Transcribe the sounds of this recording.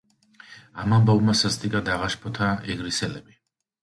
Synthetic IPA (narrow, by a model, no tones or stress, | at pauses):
amambavmasazd̪ʼikʼad̪aʁaʃpʰɔt̪ʰaɛɡɾisɛlɛbi